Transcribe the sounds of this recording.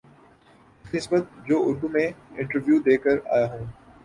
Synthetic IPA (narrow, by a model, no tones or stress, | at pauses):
ɪnɪsbət̪̚d͡ʑoːʊɾd̪umẽɪ̃ɳʈəɾʋjuːd̪eːkəɾa̰ːjaɦũː